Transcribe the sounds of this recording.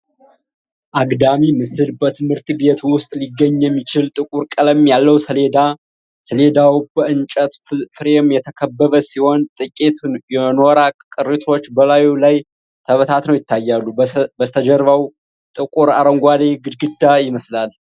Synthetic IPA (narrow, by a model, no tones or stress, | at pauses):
ʔaɡd̪amimɨsɨlbət̪ʰɨmhɨɾt̪bet̪wʊst̪ʼliɡːəɲːjɛmːit͡ʃɪlt̪ʼɨkʼuɾkʼələmjalːəwsəled̪a | səle̞d̪awbəɨnt͡ʃʼət̪fɨɾemjɛt̪ʰəkʰəbːəβəsiho̞nt̪ʼɨkʼet̪jɛnoɾakʼkʼɨɾit̪ʰo̞t͡ʃːbəlajulaj | t̪ʰəβət̪ʰat̪nəwjɪt̪ːajːalːubət̪ʰəd͡ʒəɾβaw | t̪ʼɨkʼuɾaɾəŋɡʷad̪eɡɨd̪ɡɨd̪ːajɪməslal